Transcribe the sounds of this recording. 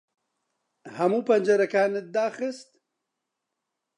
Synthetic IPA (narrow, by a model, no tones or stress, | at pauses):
hɐmuːpɐnd͡ʒɐɾɐkaːnɨt̪̚d̪aːxɨst̪